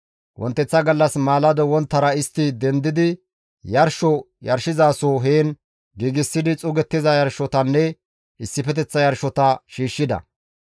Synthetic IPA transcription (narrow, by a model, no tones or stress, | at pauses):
wʔɔ̰nt̪ːɛt͡sːɐɡɐlːɐsmaːlɐd̪ɔwɔnt̪ːɐɾɐɪst̪ːɪd̪ɛnd̪ɪd̪ɪ | jɐɾʃɔ | jɐɾʃɪzaːsoːɦeːn | ɡiːɡɪsːɪd̪ɪt͡sʼʊɡɛt̪ːɪzɐjɐɾʃɔt̪ɐnːɛ | ɪsːɪpɛt̪ɛt͡sːɐjɐɾʃɔt̪ɐʃiːʃːɪd̪ɐ̰